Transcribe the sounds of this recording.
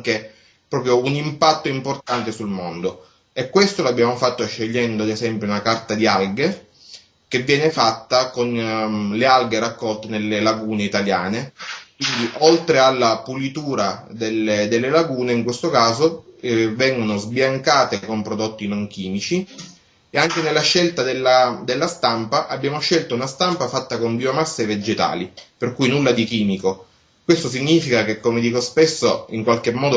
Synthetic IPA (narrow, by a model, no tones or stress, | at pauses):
ŋke | pɾɔːpɾjounimpat̪ːoimport̪ant̪esulmond̪o | ɛkːwest̪oloabːjaːmofat̪ːoʃːeʎːɛnd̪oad̪ezɛmpɾjounakart̪ad̪ialɡe | k̟evːjɛːnefat̪ːakonlealɡeɾakːɔlt̪enelːelaɡuːneit̪aljaːnekwind̪iʔolt̪ɾealːapulit̪uːɾad̪elːed̪elːelaɡuːneiŋkwest̪okaːzovɛŋɡonozbjaŋkaːt̪ekompɾod̪ot̪ːinoŋk̟iːmit͡ʃi | eaŋkenelːaʃːelt̪ad̪elːad̪elːast̪ampaʔabːjaːmoʃːelt̪ounast̪ampafat̪ːakombiomasːeved͡ʒet̪a̰ːliperkujnulːad̪ikiːmiko | kwest̪os̬iɲːiːfikakekːomed̪iːkospesːoiŋkwalk̟emːɔːd̪o